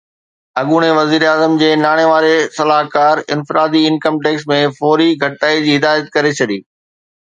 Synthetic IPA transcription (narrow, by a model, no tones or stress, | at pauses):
ɐɠuːɽ̃eʋɐziːɾaːzəmd͡ʑeːnaːɽ̃eʋaːɾesɐlaːɦkaːɾɪ̰̃nfɪɾaːd̪iɪnkəmʈeːksmẽfɔːɾiɡʱɐʈ̪aːid͡ʑiːɦɪd̪aːjət̪̚kɐɾet͡ɕʰɐɗḭː